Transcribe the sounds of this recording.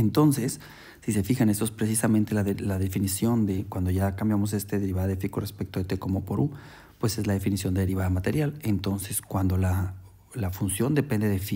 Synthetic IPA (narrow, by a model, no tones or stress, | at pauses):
ent̪o̞nse̞sː | ise̞fixane̞st̪oe̞spɾe̞sisamẽnt̪elaðelaðe̞finisjo̞nd̪e̞kwand̪oʝakambjamos̬e̞st̪eðe̞ɾiβaðaðefikorespe̞k̚t̪oðet̪eko̞mopoɾu | pwe̞se̞zlaðe̞finisjo̞nd̪eeɾiβaðamat̪e̞ɾjale̞nt̪o̞nseskwand̪o̞la | lafunsjo̞nd̪e̞pe̞nd̪e̞ðefi